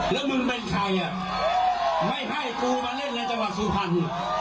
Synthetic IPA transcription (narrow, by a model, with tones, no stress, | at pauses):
lɛː˦˥wmɯ˧npe˧nkʰaː˧jʔa˧˩ | ma˥˩jɦa˥˩jk̪uː˧baː˧nle˦˥˩nːa˧˥jt̪a˧ŋwa˨˩t̪̚su˧˩pʰa˧˥n˨˩